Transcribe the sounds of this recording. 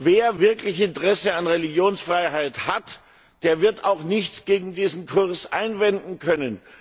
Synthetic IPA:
veːɐvɪɐklɪçɪntəʁɛsəanʁeliɡjoːnsfʁ̥aɪɦaɪthat | d̥eːɐvɪɐtaʊxnɪçt͡sɡ̥eːɡŋ̩diːzn̩kʰʊɐsʔa̰ɪnvɛndn̩kʰœnən

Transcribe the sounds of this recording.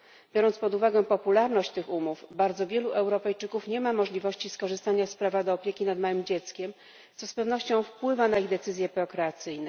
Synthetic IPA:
bʲjɔɾɔnt̪spɔd̪uvaɡɛpɔpulaɾnɔɕt͡ɕt̪ɘxumuvbaɾd̪zɔvʲjɛluʔɛwɾɔpɛjt͡ʂɘkufɲɛmamɔʐlʲivɔɕt͡ɕiskɔʐɘst̪aɲaspɾavad̪ɔːpʲjɛkʲinad̪mawɘmd͡ʑɛt̪skʲɛm | t̪sɔspɛvn̪ɔɕt͡ɕɔ̃w̃fpwɘvanaiɣd̪ɛt̪sɘzʲjɛpɔkɾɛat̪sɘjnɛ

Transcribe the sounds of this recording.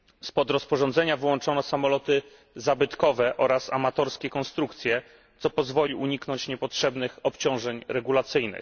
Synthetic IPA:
spɔd̪ɾɔspɔʐɔ̃nd̪zɛɲavɘwɔnt͡ʂɔnɔsamɔlɔt̪ɘ | zabɘt̪kɔvɛʔɔɾasa̰mat̪ɔɾskʲɛkɔnst̪ɾukt̪sʲjɛ | t̪sɔpɔzvɔlʲiʔuɲiknɔɲt͡ɕɲɛpɔtʂɛbnɘxɔpt͡ɕɔ̃w̃ʐɛɲɾɛɡulat̪sɘjnɘ̰x

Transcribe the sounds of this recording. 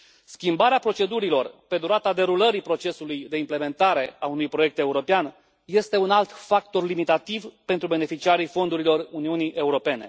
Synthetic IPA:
skʲimbaɾeapɾo̞t͡ʃe̞d̪uɾilo̞rpe̞d̪uɾat̪ad̪e̞ɾuləɾipɾo̞t͡ʃe̞sulujd̪e̞imple̞me̞nt̪aɾe̞aunujpɾoje̞k̚t̪e̞uɾo̞pean | je̞st̪e̞unalt̪fak̚t̪o̞rlimit̪at̪ivpe̞nt̪ɾube̞ne̞fit͡ʃiaɾifo̞nd̪uɾilo̞runiuniʔe̞uɾo̞pe̞ne̞̰

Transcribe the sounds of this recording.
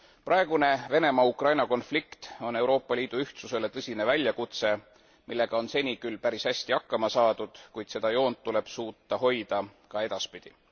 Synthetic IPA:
prʔɑeɡ̥une̞ve̞ne̞mɑukrɑjnɑko̞nflikt̪o̞ne̞wɾo̞ːpːˑɑlʲiːd̪̥uyht̪suse̞le̞t̪ɤsʲine̞vælʲjɑkut̪se̞ | milːe̞ɡ̥ɑo̞nse̞nʲikylːpæɾishæsʲt̪iɑkːɑmɑsɑːd̪̥ud̪̥kujd̪̥se̞d̪̥ɑjo̞ːnt̪ːule̞b̥suːt̪ːɑɦo̞jd̪̥ɑkɑe̞d̪̥ɑspid̪̥i

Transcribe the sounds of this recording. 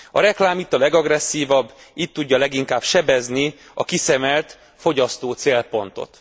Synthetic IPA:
ɒ̰ɾɛklaːmit̪ːɒlɛɡɒɡrɛsːiːvɒbː | iːt̪ːuɟːɒlɛɡiŋkaːbʃɛbɛzni | ɒ̰kisɛmɛlt̪ | fo̞ɟɒst̪oːt̪seːlpo̞nt̪o̞̰t̪

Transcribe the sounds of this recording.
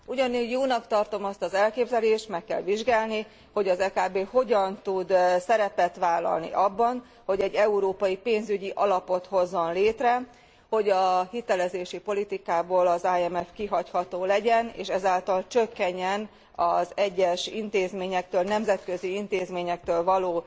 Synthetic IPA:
uɟɒnuːɟjoːnɒkt̪ɒrt̪o̞mɒst̪ɒzɛlkeːbzɛleːʃt̪mɛkːɛ̰lʋiʒɡaːlni | ho̞ɟɒzɛːkaːbeːho̞ɟɒnt̪ud̪sɛɾɛpɛt̪ʋaːlɒ̰lnḭʔɒbːɒn | ho̞ɟɛɟːɛuɾoːpɒjipeːnzyɟiʔɒlɒpo̞t̪ho̞zːonleːt̪rɛ | ho̞ɟɒhit̪ɛlɛzeːʃipo̞lit̪ikaːboːlɒzaːɛmɛfkiɦɒchɒt̪oːlɛɟɛnḛːʃɛzaːlt̪ɒlt͡ʃøkːɛɲːɛn | ɒzɛɟːɛʃḭnt̪eːzmeːɲɛk̚t̪øːlnɛmzɛt̪kø̞ziint̪eːzmeːɲɛk̚t̪øːlvɒloː

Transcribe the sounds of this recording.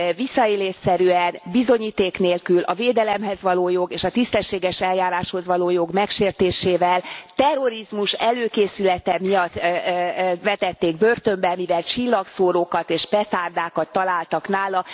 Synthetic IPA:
visːɒeːleːʃsɛɾyɛnbizo̞ɲiːt̪eːkneːlkylʔɒ̰veːd̪ɛlɛmɦɛzʋɒloːjo̞ɡeːʃɒt̪ist̪ɛʃːeːɡɛʃɛljaːɾaːʃho̞zʋɒloːjo̞ɡmɛkʃeːrt̪eːʃeːvɛlt̪ɛrːo̞ɾizmuʃɛløːkeːsylɛt̪ɛmijɒt̪ː | vɛt̪ɛt̪ːeːɡ̚børt̪ø̞mbɛlmivɛlt͡ʃilːɒksoːɾoːkɒt̪eːʃpɛt̪aːrd̪aːkɒt̪ːɒlaːlt̪ɒknaːlɒ

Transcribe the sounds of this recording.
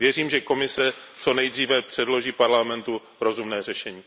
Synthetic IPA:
vjɛr̝iːmʒɛko̞mɪsɛt͡so̞nɛjd̪riːvɛpr̝̥ɛdlo̞ʒiːpaɾlamɛnt̪u | ɾo̞zumnɛːrɛʃɛɲiː

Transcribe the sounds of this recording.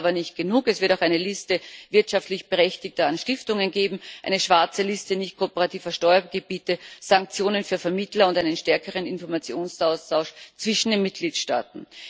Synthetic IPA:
bɐnɪçt̚ɡ̥ənuːkɛsv̥ɪɐtaʊxæɪnəlɪstəvɪɐtʃaftlɪçb̥əʁɛçtɪç̚tɐanʃtɪftʊŋənɡeːbm̩ʔæ̰ɪnəʃv̥aɐt͡səlɪstənɪçt̚kʰoopəʁatiːvɐʃtɔʏɐɡ̥əb̥iːtəz̥aŋk̚t͡sjoːnənfyːɐfɛɐmɪtlɐʊntæɪnənʃtɛɐkəʁ̞ənɪnfɔɐmat͡sjoːnsaʊstʰaʊʃt͡sv̥ɪʃn̩deːnmɪt̚ɡ̥liːtʃta̰ːtn̩

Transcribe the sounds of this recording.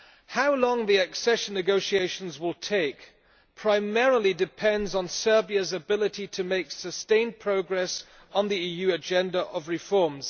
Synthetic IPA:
haʊlɔ̃ŋðiəksɛʃə̃nːɨɡoʊʃieɪʃə̃nzwɪlˠtʰeɪk | pʰɹ̥aɪmɛɹəl̩ˠidɪpʰɛ̃ndzn̩sɜ˞biəzəbɪlˠɪtitʰəmeɪksəstẽɪ̃npʰɹ̥oʊɡɹɛs | n̩ðiiːjʉːəd͡ʒɛ̃ndəʔəvɹɪfɔɹmz̥

